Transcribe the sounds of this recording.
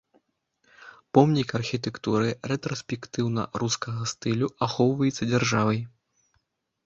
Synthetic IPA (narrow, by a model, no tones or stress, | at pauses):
pɔmnʲikɐrxʲit̪̬ɛkt̪uɾɨrɛt̪ɾɔsʲpʲɛkt̪ɨwnɐ̰ɾuskɐɣɐst̪ɨlʲuaxɔwvɐjɛt̪sːɐd͡zʲarʐavɐj